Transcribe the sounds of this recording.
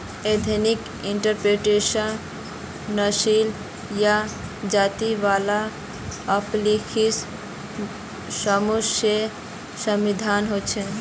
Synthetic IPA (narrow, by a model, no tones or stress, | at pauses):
ed̪ʱenik | iɳʈəɾpɾeʈesənː | əsil | jad͡ʒat̪iʋala | əplikʰis | səmuse | səmid̪ʱanɦot͡ʃʰɛ